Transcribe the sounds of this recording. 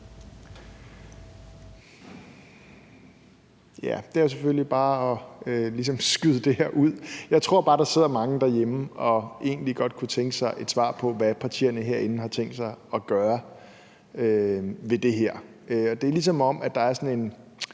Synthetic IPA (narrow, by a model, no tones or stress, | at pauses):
jæd̥eæɐjos̬eføllib̥ɑ̈ːɒ̽ølis̬ɒ̽msɡ̥yðˠd̥e̝heɐ̰ʔuð̞̰ˠjɑ̈ɪt͡sʰʁo̝ɐ̰b̥ɑ̈ːd̥ɑ̈se̝ð̞̰ˠɐmɑ̈ŋəd̥æjeməɒ̽ʔe̝̰ːnliɡ̥ɒ̽d̥̚kʰut͡sʰeŋɡ̥əsɑ̈ɪʔe̝d̥sʋɑ̰̈ːpʰɒ̽ʋæpʰɑ̈t͡sʰḭːɐnəɦeɐ̰e̝nn̩hɑ̈t͡sʰeŋ̰d̥sɑ̈ɪɒ̽ɡ̥ɶːɐ | øʋe̝d̥e̝ɦeɐ̰ | øɒ̽d̥e̝æɐlis̬ɒ̽mɒ̽mʔæ̥ɑ̈æɐsɒ̽ne̝n